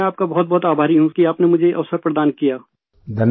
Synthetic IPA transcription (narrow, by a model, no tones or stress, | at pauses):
ɛaːp̚kabɐɦɔt̪̚bɔːt̪aːbʱaːɾiɦũkiaːpnemʊd͡ʒʱeʔɐ̰ʋsəɾpɾɐd̪aːnkijaː | d̪ʱɐn